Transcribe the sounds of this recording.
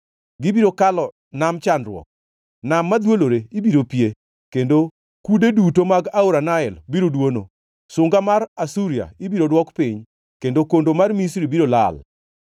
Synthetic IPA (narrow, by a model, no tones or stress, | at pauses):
ɡɪbiɾokalɔ | namt͡ʃanɾwɔ̰k̚ | namːad̪woloɾeibiɾopje | kendo | kudedutomaɡauɾanaɛlbiɾodwono̰ | sʊŋɡamaɾasuɾija̰ibiɾodwɔkpɪɲ | kendokondomarmisɾibiɾola̰l